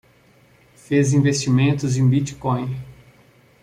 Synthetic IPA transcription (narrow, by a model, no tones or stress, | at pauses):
fezĩvest͡ʃimẽnt̪ʊzẽj̃bit͡ʃi̥kõj̃